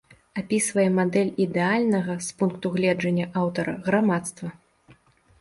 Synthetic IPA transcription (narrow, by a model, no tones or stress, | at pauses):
apʲisvɐjɛmad̪ɛlʲid̪ɛalʲnɐɣɐspunkt̪uɣlʲɛd͡ʐɐnʲːɐʔawt̪ɐɾɐ̰ɣɾamat̪st̪vɐ